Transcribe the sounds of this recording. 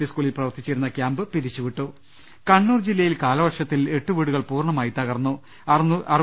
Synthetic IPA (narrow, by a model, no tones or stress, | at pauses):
eskuːɭilprɐʋɐrt̪it͡ɕːiɾunːɐkjaːmbɨpiɾit͡ɕːuʋiʈːu | kɐɳːuːrd͡ʑilːɐjilkaːlɐʋɐʈʂɐt̪ːile̞ʈːuʋiːɽuɣɐɭpuːrɳɐmaːjit̪ɐɣɐrnːu | ɐr